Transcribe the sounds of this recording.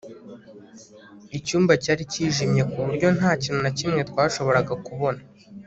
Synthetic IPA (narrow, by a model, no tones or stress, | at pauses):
icuːmbacaːɾiciːʒimɲe̞kuβuɾɟo̞naːciːn̥unacimŋe̞t̪waːʃo̞βo̞ɾaɡakuβo̞na